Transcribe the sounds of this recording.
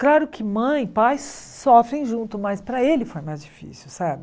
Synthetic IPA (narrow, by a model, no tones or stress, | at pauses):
klaɾʊkɪmɐ̃j̃pajs | sɔfɾẽj̃ʒũnt̪ʊmajspɾɐelɪfoɾmazd͡ʒifḭsiwsabɪ